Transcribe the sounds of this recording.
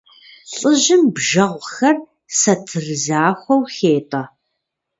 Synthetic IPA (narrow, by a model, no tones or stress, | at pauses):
ɬʼɨʑɪmbʒɐʁʷxɐr | sɐtʰɨrɨzaːxʷɔwxeːtʼɐ